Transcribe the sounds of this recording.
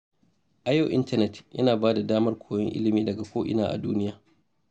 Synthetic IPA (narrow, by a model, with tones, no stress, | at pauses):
ʔa˨ja˦wʔɪ̰˦ntɐ˦nɛ˨tjʔɐ̰˦naː˨baː˦da˨daː˦mɐ˦rkʷʰoː˨jɛ˦ŋʔɪ̰˦lɪ˨miː˦dɐ˨ɡa˨kʷoː˦ʔɪ̰˨naː˦ʔa̰˨duː˦nɪ˦jaː˨